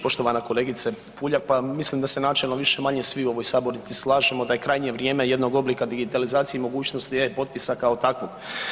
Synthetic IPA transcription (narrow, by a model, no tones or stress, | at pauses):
po̞ʃt̪o̞ʋanako̞le̞ːɡit̪se | puːʎakpamislimd̪ase̞naːt͡ʃelnoʋiʃe̞maɲesʋiuo̞ʋo̞jsaːbo̞ɾnit̪islˠaːʒe̞mo̞d̪ajekɾajɲijeʋɾje̞ːme̞je̞d̪no̞ɡo̞blikad̪iɡit̪alizaːt̪sieimo̞ɡuːt͡ɕnost̪epo̞t̪̚pisakaot̪akʋo̞ɡ̥